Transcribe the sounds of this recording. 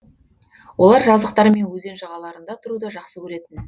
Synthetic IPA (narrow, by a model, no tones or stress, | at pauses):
wʔo̞lˠɑɾʒɑzəq̚t̪ɑɾəme̞nwɵze̞nʒɑʁɑlˠɑɾənd̪ɑt̪ʰʊɾud̪ɑʒɑqsəkʲʰɵɾe̞t̪ɪn